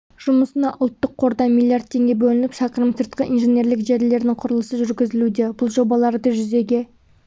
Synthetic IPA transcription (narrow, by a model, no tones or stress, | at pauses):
ʒ̥ʊməsənɑʔʊlˠt̪ːəqʰːo̞ɾd̪ɑmilˠːijard̪̚t̪ʰːe̞ŋɡʲebɵlɪnɪpʃɑqəɾəmsəɾt̪̚qəʔinʒene̞ɾlɪkʒe̞ɾle̞ɾd̪ɪŋqʰʊɾəlˠəsəʒʏɾɡʲɪzɪlud̪e̞bʊlˠʒo̞bɑlˠɑɾd̪əʒʏze̞ɡʲe̞